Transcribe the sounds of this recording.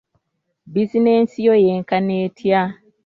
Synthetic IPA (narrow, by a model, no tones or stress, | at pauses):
bizineːnsijojeːŋkaneːtʰja